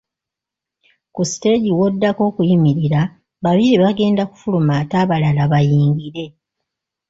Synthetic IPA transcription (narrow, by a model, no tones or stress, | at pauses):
kusi̥te̞ɟiwo̞dːako̞ːkujimiɾiɾa | βaβiɾiβaɡe̞ːndaku̥fulumaːtaːβalalaβajiːŋɡiɾe̞